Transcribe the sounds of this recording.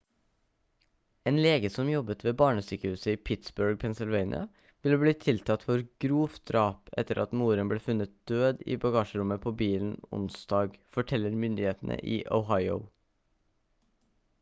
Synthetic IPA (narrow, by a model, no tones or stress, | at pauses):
eːnleːɡəsɔmjɔbət̪ʰʋeːbɑːɳəsyːkəhʉːsəiːpʰɪt̪sbʉɹɡ̚pʰɛnsɪlʋeɪnɪ̰ɑ̰ | ʋɪlbliːt̪ʰɪlt̪ʰɑt̪fɔɾɡ̥ɾuːfd̪ɾɑːpɛ̰t̪əɾʔɑ̰t̪muːɾənbleːfʉnət̪̚d̪̥øːd̪ḭːbɑɡɑːʃəɾʊməpʰoːbiːln̩ʊ̰nsd̪ɑːɡfɔʈʰɛlːəɾmʏnd̪ɪheːt̪n̩ə̰ʔiːʔəʊɦɑɪəʊ